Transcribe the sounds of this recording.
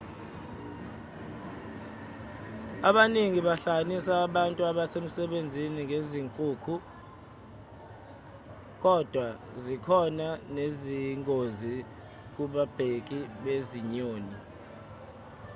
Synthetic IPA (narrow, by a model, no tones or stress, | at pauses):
aɓaniŋiɓaɬanisaːɓantʼuaɓasem̩sɛɓend͡zʱiniŋʱeziŋkʼuːkʰu | k̬ɔd̥ʱwa | zikʰɔnaneziŋozi | k̬uɓab̥ʱek̬ʼiɓeziɲoːni